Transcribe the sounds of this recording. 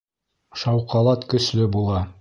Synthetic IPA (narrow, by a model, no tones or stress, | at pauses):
ʃɑwqɑlˠɑt̪kɵ̆ʃlɵbulˠɑ